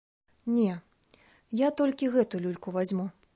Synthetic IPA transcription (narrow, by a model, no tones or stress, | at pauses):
nʲɛ | jat̪ɔlʲkʲiɣɛt̪ulʲulʲkuvazʲmu